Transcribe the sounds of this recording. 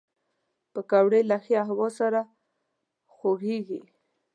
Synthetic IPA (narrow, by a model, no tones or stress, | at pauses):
pəkawɽelaxiaɦwɔsaɾa | xoɡeɡi